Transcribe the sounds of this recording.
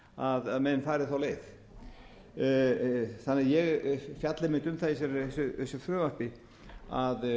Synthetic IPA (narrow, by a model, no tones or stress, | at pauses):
aðaðmɛnːfaːɾɪθawleːjθ | θanːɛajɛɣfjat̪lamɪnt̪ʏmθaðɛsɛɾθɛsʏɛsʏθɾœːvar̥pɪ | að